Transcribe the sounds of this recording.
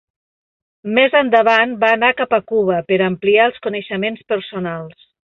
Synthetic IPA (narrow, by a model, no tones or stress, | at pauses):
mɛzənd̪əβanbaːnakapəkuβəpəɾəmpliaəlˠskunəʃəmenspəɾsunalˠs